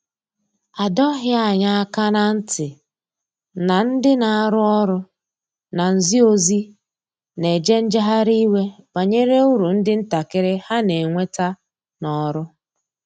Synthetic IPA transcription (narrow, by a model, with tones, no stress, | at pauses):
a˨dɔ˦ɦɪ˦a˨ɲa˦a˦ka˦na˦n̩˦tɪ˨ | na˨n̩˦dɪ˦na˨a˦˨ɾʊ˦ɔ˦ɾʊ˦ | na˨n̩˨zi˦o˦zi˦ | ne˨d͡ʒe˦n̩˦d͡ʒa˦ɦa˦ɾi˦we˦b̥a˨ɲe˦ɾe˦u˦ɾu˨n̩˦dɪ˦n̩˦ta˨kɪ˦ɾɪ˦ha˦ne˨ŋʷe˦ta˦ | nɔ˨ɾʊ˦